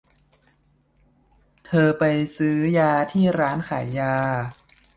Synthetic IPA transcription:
t̪ʰɤː˧pa˧jsɯː˦˥jaː˧t̪ʰiː˥˩ɾaː˦˥nkʰa̰ː˩˦jːaː˧

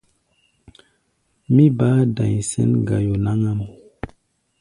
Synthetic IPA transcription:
mi˦baː˦da˨ɲ˨sɛ̰˦nɡa̰˨jo˨na˦ŋa˦mo˨

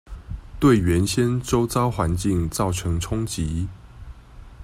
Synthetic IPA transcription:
t̪we˥˨˩ɪɥɛ˨˦nɕjɛ˦˥nt͡so˦ʊt͡sɑ˦ʊxwa˧˦nt͡ɕi˥˨ŋt͡sɑ˥˩ʊʈ͡ʂʰɤ˨˦ŋʈ͡ʂʰʊ˥ŋt͡ɕi˨˦

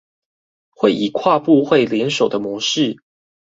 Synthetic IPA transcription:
xwe˥˩ɪʔi˨˩kʰwa˥˧pu˥˧xwe˥˨ɪljɛ˧˦nʂo˨˩ʊd̪ə˦mwɔ˧˦ʂɻ̩˥˨

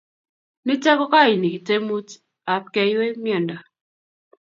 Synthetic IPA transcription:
nɪ˦tɛ˦kɔ˦ka˦˨i˨ni˨ki˨te˦mu˦t | a˨p̚kɛ˦jwe˦mjɔ˨nda˨

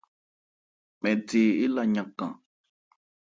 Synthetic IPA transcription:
mɛ̃˨te˨e˦la˧˨ɲã˨kã̰˨

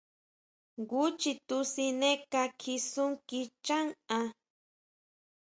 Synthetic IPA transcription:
ɡu˦t͡ʃi˧t̪u˧si˧ne˦ka˧kʰi˧su˦ŋki˧t͡ʃa˦ŋa˧

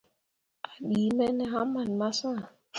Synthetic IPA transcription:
a˨ɗi˨˦mɛ˦nɛ˦ɦa˦ma˨n˨ma˦sã˦˨

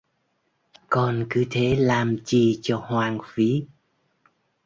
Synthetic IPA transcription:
kɔ˨˩nkɨ˨˦t̪ʰe˨˦laː˨˩mt͡ɕi˨˩t͡ɕɔ˧hwaː˨˩ŋfi˨˦

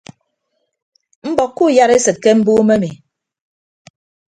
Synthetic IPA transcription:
m̩˦bɔ˨kːu˦˨ja˦ɾe˦sɨ˨t̚ke˦m̩˦bu˦me˦mi˨

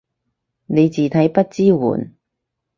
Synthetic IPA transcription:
ne˨˧jt͡siː˨˩t̪ʰɐ˨˥jpɐ˥t̚t͡siː˥wṵː˨˩n

